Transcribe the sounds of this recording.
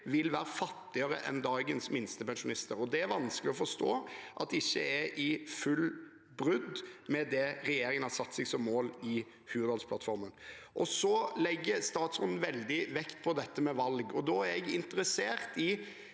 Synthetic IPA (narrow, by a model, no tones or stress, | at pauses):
ʋɪlʋæːɾəfɑt̪ːɪəɾə̰ʔɛ̰nd̪ɑːɡənsmɪnst̪əpɛnʃʊnɪst̪əɾɔd̪ɛæɾʋɑnsklɪɔfɔʂt̪oːʔɑt̪ɪçːəɛʔɪfʉl | bɾʉd̪mɛd̪ɛɾɛjeːɾɪŋənhɑɾsɑt̪ːsɛɡsɔmːoːlɪ | hʉːd̪ɑlspʰlɑt̪fɔɾmənʔɔsɔlɛɡːəst̪ɑːt̪sɾut̪n̩ʋɛld̪ɪʋɛkt̪pʰɔd̪ɛt̪ːəmɛʋɑlɡɔd̪ɔːæɾɛɡɪnt̪əɾəseːɾt̪ɪ